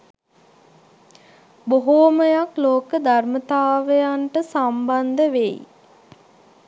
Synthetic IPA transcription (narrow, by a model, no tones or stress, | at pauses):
boɦoməjakloːkəd̪ʱarmət̪aːʋəjaɳʈəsamband̪əʋej̰